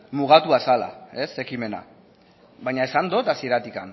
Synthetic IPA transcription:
muɣ̞at̪uasala̰e̞se̞kime̞na̰ | βajɲae̞sand̪o̞t̪asie̞ɾat̪ika̰n

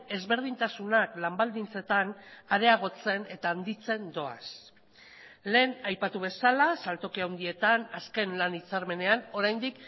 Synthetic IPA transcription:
e̞zβe̞ɾð̞int̪asunaklambald̪int͡se̞t̪anaɾe̞aɣ̞o̞t͡se̞ne̞t̪aːnd̪it͡se̞nd̪o̞a̰s | le̞ːnajpat̪uβ̞e̞salasalt̪o̞kiawnd̪ie̞t̪anaske̞nlanit͡saɾme̞ne̞ano̞ɾajnd̪ik

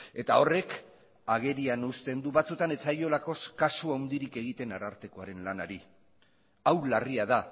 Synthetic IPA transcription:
e̞t̪ao̞re̞k | aɣ̞e̞ɾianust̪e̞nd̪uβat͡sut̪ane̞t͡sajo̞lako̞skasuawnd̪iɾike̞ɣ̞it̪e̞naɾaɾt̪e̞ko̞aɾe̞nlanaɾi | awlariaða

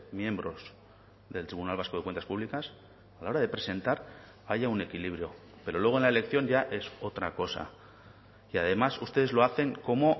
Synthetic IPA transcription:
mjẽ̞mbɾo̞s | ðe̞lt̪ɾiβunalβ̞askoðe̞kwe̞nt̪ḁspuβlikas | alao̞ɾaðe̞pɾe̞se̞nt̪aɾ | aʝaune̞kiliβɾjo̞ | pe̞ɾo̞lwe̞ɣ̞onlaele̞kθjo̞ɲʝaʔe̞so̞t̪ɾako̞sa̰ | iaðe̞masust̪e̞ðezlo̞aθe̞ŋko̞mo̞

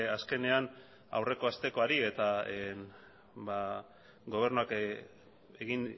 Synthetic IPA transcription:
aske̞ne̞an | a̰wre̞ko̞ast̪e̞ko̞aɾie̞t̪aen | ba | ɡo̞β̞e̞rnuak | eɣin

